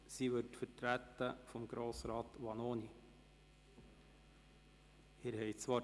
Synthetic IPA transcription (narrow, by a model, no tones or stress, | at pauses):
siʋɵɾtfətɾæt̪ːəfɔmɡ̥ɾoːsɾɑːt̪ʋɑnoːni | hɪːɾhɛjt͡sʋɑː